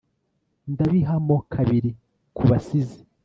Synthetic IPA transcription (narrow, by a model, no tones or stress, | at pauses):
ndaβiɦamo̞kʰaβiɾi | kʰuβasizi̥